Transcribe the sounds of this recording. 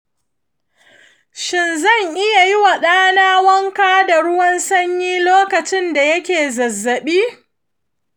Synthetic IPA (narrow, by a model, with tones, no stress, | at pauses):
ʃɪ˨nzɐ˦˨ŋʔɪ˦ja˨ji˦wa˨ɗaː˦naː˦wɐ˦ŋkaː˦da˨ɾʊ˦wɐ˦nsɐ˦ɲjiː˦loː˦kɐ˨t͡ʃɪ˦nda˨jɐ˦kʲeː˨zɐ˨zːɐ˨ɓiː˦